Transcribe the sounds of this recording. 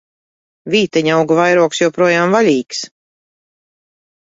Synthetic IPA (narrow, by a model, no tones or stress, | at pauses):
viːt̪ɛɲawɡuvajɾuɔksjɔwpɾuɔjaːmvalʲiːks